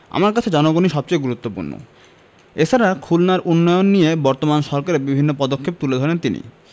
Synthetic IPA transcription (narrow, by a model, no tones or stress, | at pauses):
a̰maɾkat͡ɕʰed͡ʑɔnoɡoniʃɔb̚t͡ɕojɡuɾut̪ːopṵɾno̰ | et͡ɕʰaɾakʰulnaɾʔunːɔjonːijebɔɾt̪omanʃɔɾkaɾebibʱinːopɔd̪okʰːep̚t̪uled̪ʱɔɾent̪inḭ